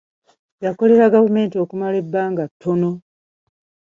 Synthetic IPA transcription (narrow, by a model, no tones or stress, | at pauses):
jako̞le̞ɾaɡavume̞ːntio̞kumale̞bːaːŋɡatʰːo̞no̞